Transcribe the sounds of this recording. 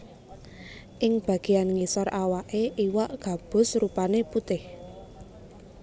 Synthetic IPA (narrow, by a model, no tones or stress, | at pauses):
ʔɪŋb̥a̤ɡ̥i̤anŋisɔrʔawaʔeʔiwaʔɡ̥a̤b̥ʊ̤srupaneput̪ɪh